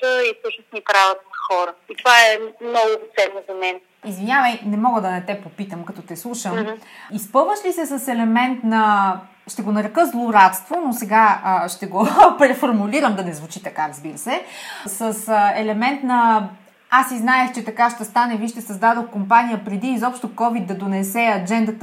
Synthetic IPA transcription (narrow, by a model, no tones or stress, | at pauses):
t̪əifsɤʃnosnipɾavot̪ənxɔɾəit̪ovaɛmnɔɡʊt̪sɛnːozɐmɛn | izvinʲavəjnɛmɔɡəd̪ɐnɐt̪ɛpopit̪əmkɐt̪ɔt̪ɛslˠuʃəmispɤlˠvəʃlisɛsɐsɛlɛmɛnt̪nɐ | ʃt̪ɛɡonɐɾɛkɤzlˠoɾat̪st̪vonosɛɡaəʃt̪ɛɡopɾɛfoɾmuliɾəmd̪ɐnɛzvut͡ʃit̪ɐkaɾɐzbiɾəsɛsəsɛlɛmɛnt̪nɐ | asiznaɛxt͡ʃɛt̪ɐkaʃt̪ɛst̪anɛviʃt̪ɛsɐzd̪ad̪oxkompanijəpɾɛd̪iːzɔpʃt̪okɔvid̪̚d̪ɐd̪onɛsɛɐd͡ʒɛnd̪ət̪